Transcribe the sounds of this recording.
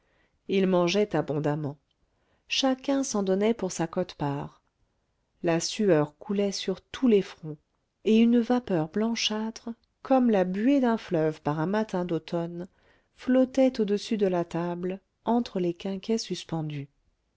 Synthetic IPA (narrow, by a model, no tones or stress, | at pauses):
ilmɑ̃ʒɛt̪abɔ̃d̪amɑ̃ | ʃakʲɛ̃sɑ̃d̪ɔnɛpuʁsakɔt̪paːʁ | lasyœʁkʰulɛsyʁt̪ʰulefχɔ̃ | eynvapœʁblɑ̃ʃat̪χə | kʰɔmlabyed̪ɛ̃flœvpaʁɛ̃mat̪ʰɛ̃d̪ot̪ɔn | flɔt̪ɛt̪od̪əsyd̪əlat̪abl | ɑ̃t̪χəlekʲɛ̃kʲɛsyspɑ̃d̪y